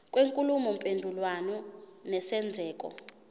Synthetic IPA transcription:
kʼweŋkʼulumɔmpʼendʱulwanɔnɛsɛnd͡zʱɛːk̬ʼɔ̰

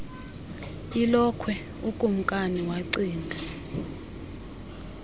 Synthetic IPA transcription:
ilɔkʰwɛ | ukʼum̩kʼaniwaǀiːndʱa

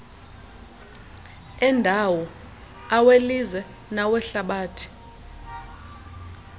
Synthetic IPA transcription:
ɛndʱawɔ | awelizɛ | nawɛɬaɓaːtʰi̥

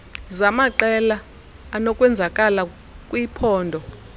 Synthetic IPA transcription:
zamaǃɛlaː | nɔkʼwɛnd͡zʱakʼala | kʼwipʰɔːndʱɔ

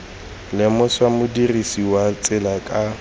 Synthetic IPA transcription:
lɪmʊswamʊdirisiwat͡sʼɪlakʼa

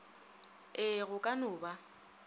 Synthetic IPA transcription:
ɪɣʊkʼanʊːba

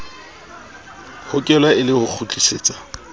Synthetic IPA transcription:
hʊkʼɛlwaɪlɪhʊk͡xʰut͡ɬʼiseːt͡sʼḁ

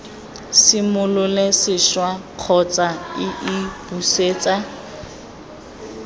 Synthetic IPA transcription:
sɪmʊlʊlesɪʃwaq͡χʰɔt͡sʼaɪʔib̥useːt͡sʼa

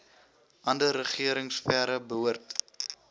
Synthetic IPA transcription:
ʔɐndəɾəχiəɾəŋsfæɾəbəuərt

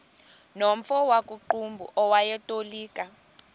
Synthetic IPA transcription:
nom̩fɔwakʼuǃumbʱṵʔɔwajɛtʼoliːkʼa

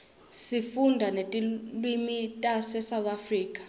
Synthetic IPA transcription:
sifundʱanetʼilwimitʼasɛsawt̪ʼafriːkʼḁ

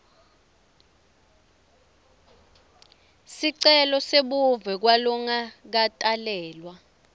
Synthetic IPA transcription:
siǀɛlɔseɓuvɛk̬walɔŋak̬atʼalɛːlwa

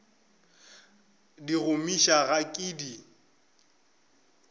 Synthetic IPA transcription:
diɣʊmiʃaɣakʼiːdi

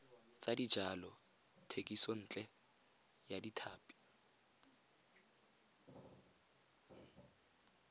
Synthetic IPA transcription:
t͡sʼadid͡ʒalɔ | tʰekʼisɔn̩ːt͡ɬʼɛ | jaditʰaːpʼi̥

